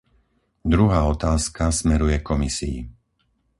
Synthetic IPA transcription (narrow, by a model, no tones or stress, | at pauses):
d̪ɾuɦaːɔt̪aːskasmɛɾujɛkɔmisḭː